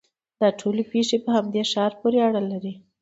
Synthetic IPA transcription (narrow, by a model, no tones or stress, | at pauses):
d̪̥ɑʈʰolepeʃepəhamd̪eʃɑɾpoɾeaɽalaɾi